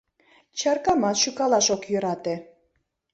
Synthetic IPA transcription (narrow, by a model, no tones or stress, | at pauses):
t͡ɕɑrkɑmɑt̪ʃykɑlɑʃokjøɾɑt̪ĕ